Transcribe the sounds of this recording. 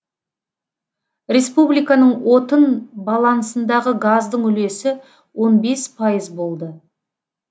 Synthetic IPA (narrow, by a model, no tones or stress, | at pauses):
rʲe̞spublijkɑnəɴwo̞t̪ənbɑlˠɑnsənd̪ɑʁəɡazd̪əɴʏle̞sɪ | wo̞nbe̞spʰɑjəzbo̞lˠd̪ə